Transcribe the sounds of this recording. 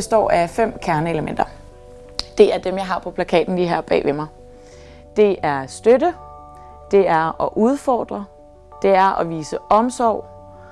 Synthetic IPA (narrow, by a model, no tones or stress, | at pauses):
esd̥ɒ̰ːæfem̰kʰæɐnəe̝ləmen̰d̥ɐ | d̥e̝æɐd̥emjɑ̈ɪɦɑ̈pʰɒ̽pʰlækʰɛ̰ːd̥n̩liɦɑ̈b̥ɛ̰ːʋʔemɑ̈ɪ | d̥e̝ʔæɐsd̥ødə | d̥e̝æɐɒʔuð̞ˠfɒ̰ːd̥ʁɐ | d̥e̝æɐʔɒʋiːsəɒ̽msɒʊ̰